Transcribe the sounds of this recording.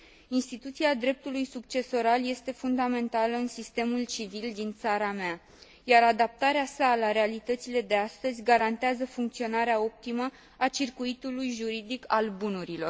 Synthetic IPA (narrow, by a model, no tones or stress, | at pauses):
inst̪it̪ut̪siad̪ɾe̞p̚t̪ulujsuk̚t͡ʃe̞so̞ɾalje̞st̪e̞fund̪ame̞nt̪aləɨnsist̪e̞mult͡ʃivild̪int̪saɾamea | jaɾad̪ap̚t̪aɾeasalaɾe̞alit̪ət̪sile̞d̪e̞ast̪əzʲɡaɾant̪eazəfuŋkt̪sio̞naɾeao̞p̚t̪imə | at͡ʃirkuit̪ulujʒuɾid̪ikʰalbunuɾilo̞r